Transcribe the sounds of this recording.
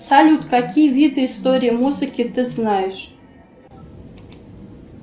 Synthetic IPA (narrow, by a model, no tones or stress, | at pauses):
salʲut̪kakʲijvʲid̪ɨːst̪oɾʲijəmuzɨkʲɪt̪ɨznajɪʂ